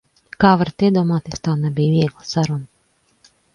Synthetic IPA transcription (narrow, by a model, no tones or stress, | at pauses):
kaːvaɾt̪iɛd̪uɔmaːt̪est̪aːnɛbʲijviɛɡlˠəsaɾunə